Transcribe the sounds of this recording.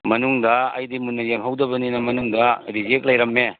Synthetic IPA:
mɐnuŋdɐɐ̰jdimunːɐjeŋɦawdɐbɐninɐmɐnuŋdɐɾizek̚lɐjɾɐmːe

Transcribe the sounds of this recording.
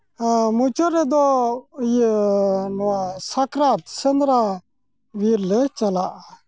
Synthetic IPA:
mut͡ʃɔɾɛd̪ɔj | nɔwasakɾat̪sənd̪ɾa | ʋiɾlɛt͡ʃalaʔ

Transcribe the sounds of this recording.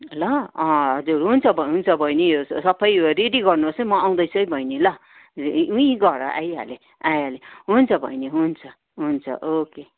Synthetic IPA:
lʌʌ̃ʌd͡zuɾɦunt͡sʰʌbʱʌɦunt͡sʰʌbʱʌjnijosʌpʰʌjɾeɖiɡʌrnuosʌmʌaw̃d̪ʌjt͡sʰʌjbʱʌjnilʌ | uĩɡʌɾʌ̰ʔa̰ja̰le | ajaleɦunt͡sʰʌbʱʌ̰jneɦunt͡sʰʌ | ɦunt͡sʰʌ̰ʔoke

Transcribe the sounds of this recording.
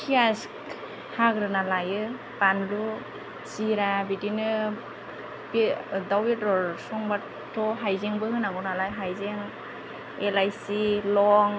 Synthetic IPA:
kʰiask | haɡɾɯnalajɯ | panlu | siɾabidinɯ | bidawetɔɾsɔŋbat | tʰːɔɦajzeŋbɯhɯnaɡɔnalajɦajzeŋ | elajsilɔŋ

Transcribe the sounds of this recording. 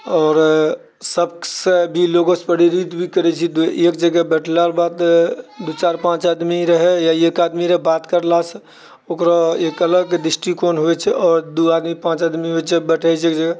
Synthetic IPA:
ɔːɾ | səbsebʱiloɡõspəɽiɾit̪bʱikəɾɛt͡ʃʰid̪uekd͡ʒəɡɛbəʈʰlaɾbad̪d̪ut͡ʃaɾpãt͡ʃad̪miɾəɦɛjaekad̪miɾəbat̪kəɾlasʰə | okɾaekələɡd̪ɾisʈikonɦoɛt͡ʃʰɛʔɔːɾd̪uad̪mipãt͡ʃad̪miɦoɛt͡ʃʰɛbəʈʰɛt͡ʃʰekd͡ʒəɡɛ

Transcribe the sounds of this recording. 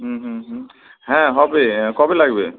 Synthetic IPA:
ɦ̩ɦ̩ɦ | ɦɛ̃ɦɔbekɔbelaɡbe

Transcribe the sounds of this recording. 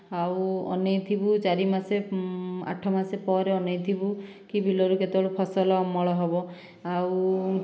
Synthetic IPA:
awɔ̰nejt̪ʰibut͡ʃaɾimasea̰ʈʰɔmasepɔɾeɔnejt̪ʰibu | kibilɔɾuket̪eɔɽupʰɔsɔlɔːmːɔɭɔɦɔbɔ | aw

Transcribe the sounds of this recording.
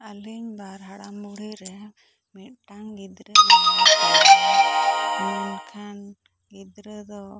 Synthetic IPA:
aliɲbaɾɦaɽamuɽiɾɛ | mɛʈaŋɡid̪ɾɛ | mɛnkʰan | ɡid̪ɾɛd̪ɔ

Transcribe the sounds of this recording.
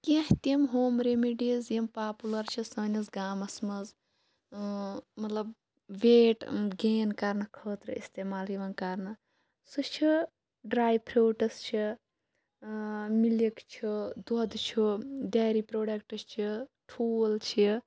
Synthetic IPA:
kẽɦt̪imɦoːmɾemiɖizjimpaːpulɐɾt͡ʃʰisɐːnɐzɡaːmɐsmɐz | mɐt̪lɐb | ʋeːʈɡeːnkɐɾnɐkʰəːt̪ɾɨ̰ḭst̪eːmaːliʋɐnkɐɾnɐ | sut͡ʃʰi | ɖɾaːjpʰɾʲoːʈɐst͡ʃʰi | milikt͡ʃʰid̪od̪t͡ʃʰuɖaːɾipɾoːɖɐkʈɐst͡ʃʰiʈʰuːlt͡ʃʰi

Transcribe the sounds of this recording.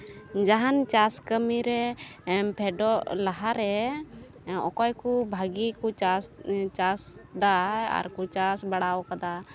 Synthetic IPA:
d͡ʒaɦant͡ʃaskəmiɾɛ | pʰɛɖɔʔlaɦaɾɛ | ɔ̰kɔjkubʱaɡikut͡ʃast͡ʃasd̪aa̰ɾkut͡ʃasbaɽawkad̪a

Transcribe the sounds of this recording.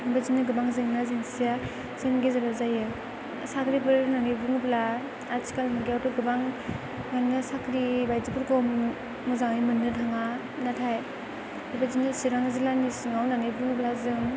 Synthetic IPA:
bazinɯɡɯbaŋzɯŋnazinsija | z̥enɡezaɾazajɯ | sakʰɾibɯɾnaŋibɯŋbla | asi̥kalmɯɡeawtɔɡɯbaŋː | annɯsakʰɾibajzipɯɾɡɔmː | ɯzaŋajmɯnːɯdʰaŋa | natʰaj | abazinɯsiɾaŋzilanisɯŋawnanibuŋblazɯŋ

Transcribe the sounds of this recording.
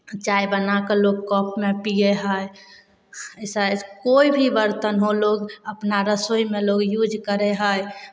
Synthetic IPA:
t͡ʃaibənakeloɡkɔpʰmepieɦəj | səkoibʱibəɾt̪ənɦoloɡəpnaɾəsoimeloɡjud͡ʒkəɾeɦəj

